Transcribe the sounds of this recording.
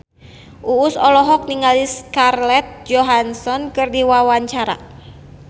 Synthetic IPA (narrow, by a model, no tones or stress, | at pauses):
ʔuːsɔlɔɦɔk̚niŋaliskarlɛt̪̚d͡ʒɔɦansɔnkɨrdiwawaɲt͡ʃaɾa̰